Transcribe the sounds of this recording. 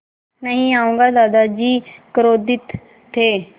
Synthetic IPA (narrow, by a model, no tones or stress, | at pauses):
nəɦĩaːũːŋɡaːd̪aːd̪ad͡ʒiːkəɾoːd̪ɪt̪ʰː | eː